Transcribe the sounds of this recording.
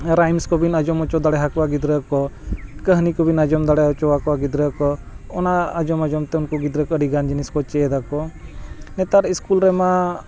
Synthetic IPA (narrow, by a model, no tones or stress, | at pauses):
ɾajmskɔbinad͡ʒɔmɔt͡ʃɔd̪aɽɛɦakwaɡid̪ɾəkɔkəɦnikɔbinad͡ʒɔmd̪aɽɛɔt͡ʃɔwakɔwaɡid̪ɾəkɔɔnaad͡ʒɔmad͡ʒɔmt̪ɛunkɔɡid̪ɾəkəɽiɡand͡ʒiniskɔt͡ʃɛd̪akɔ | nɛt̪aɾiskulɾɛma